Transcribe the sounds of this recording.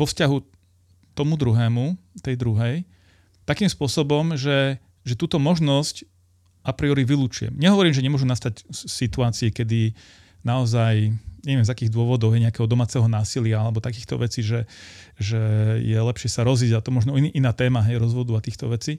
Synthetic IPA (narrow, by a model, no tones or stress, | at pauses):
ʋɔfscaɦu | t̪ɔmud̪ɾuɦɛːmut̪ɛjd̪ɾuɦɛj | t̪akiːmspʊɔsɔbɔmʒɛ | ʒɛt̪uːt̪ɔmɔʒnɔsc | apɾiɔɾiʋiluːt͡ʃujɛ̰mɲɛɦɔʋɔɾiːmʒɛɲɛmʊɔʒunast̪acsit̪uaːt͡siɛkɛd̪i | naɔzajɲɛʋɪɛmzakiːɣd̪ʊɔʋɔd̪ɔʊjɛɲɛakɛːɦɔd̪ɔmaːt͡sɛɦɔnaːsilɪaalɛbɔt̪akiːxt̪ɔ̰ʋɛt͡siːʒɛʒɛjɛlɛpʃɪɛsaɾɔziɟat̪ɔmɔʒnɔiniʔinaːt̪ɛːmaɦɛjɾɔzʋɔd̪uat̪iːxt̪ɔ̰ʋɛt͡si